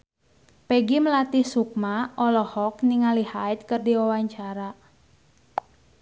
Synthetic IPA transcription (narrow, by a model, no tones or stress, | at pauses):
pɛɡiməlat̪ɪhsuk̚maɔlɔhɔk̚niŋalihaɪt̪̚kɨrdiwawaɲt͡ʃaɾa